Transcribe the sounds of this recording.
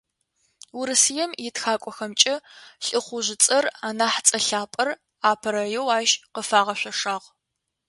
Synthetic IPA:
wʊɾɨsɨjɛmjɪtxaːkʷʼɔxɐmt͡ʃʼɪɬʼɨχʷʊʑɪt͡sʼɐraːnaːħt͡sʼɐɬaːpʼɐr | aːpʰɐɾɐjɛwaːʒqəfaːʁɐɕʷɐʂaːʁ

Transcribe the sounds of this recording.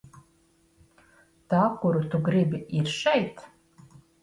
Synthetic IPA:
tʰakʷuɾut̪ʰuɡribiirʃejtʰ

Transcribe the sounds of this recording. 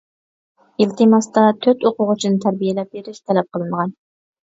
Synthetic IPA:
ilt̪ʰɨmɑst̪ɑt̪ʰøt̪oqʊʁʊt͡ʃʰinɨt̪ʰæɾbijelɛp̚beɾɪʃt̪ʰɛlɛp̚qʰəlˠɨnəʁɑn

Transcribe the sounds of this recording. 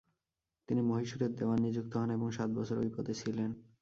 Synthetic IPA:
t̪inimoɦiʃuɾeɾd̪eoanːid͡ʑuk̚t̪oɦɔneboŋʃat̪̚bɔt͡ɕʰoɾo̰jpɔd̪et͡ɕʰilen

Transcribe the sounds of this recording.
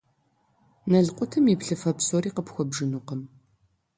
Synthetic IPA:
nɐɮqʷʼʊtʰɨmipɬɨfɐpsoɾiːqəpxʷɔbʒɨnuːqəm

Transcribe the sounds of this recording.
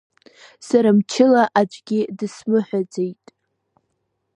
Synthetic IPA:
saɾamt͡ʃʰɪlaʔad͡ʒʷʼɡʲɪdɨsmɨħʷᶣad͡zejtʼ

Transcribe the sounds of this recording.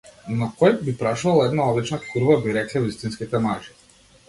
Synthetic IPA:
nɔkɔjbipɾaʃuvalˠɛd̪naɔd̪lit͡ʃnakʰuɾvabiɾɛklʲɛvist̪inskit̪ɛmaʒi̥

